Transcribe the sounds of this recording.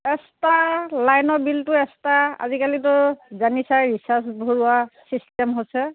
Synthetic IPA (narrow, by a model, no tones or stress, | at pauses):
ɛstalajnɔbiltʊɛstaa̰zikalitʊzanisajɹisasbʱoɹuasistɛmɦojsɛ